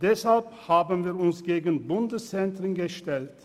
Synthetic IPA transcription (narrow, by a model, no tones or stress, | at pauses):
d̥ɛshalphaːbənviːɐʊnsɡ̥eːɡən̩bʊndəst͡sɛntʁɪnɡəʃtɛlt